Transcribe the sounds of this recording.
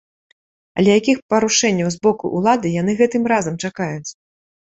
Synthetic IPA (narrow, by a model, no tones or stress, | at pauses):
ɐ̰lʲɛjakʲixpɐɾuʂɛnʲːɐwzbɔkuʔulˠad̪ɨjan̪ɨɣɛt̪ɨmɾazɐmt͡ʂakajut͡sʲ